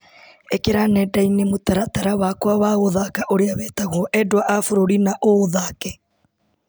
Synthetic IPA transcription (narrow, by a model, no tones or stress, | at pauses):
ekeɾanɛdainemotaɾataɾawakwaβaoðakaʔoɾeaβɛtaɣɔʔɛdwaʔafoɾoɾinaʔoðakɛ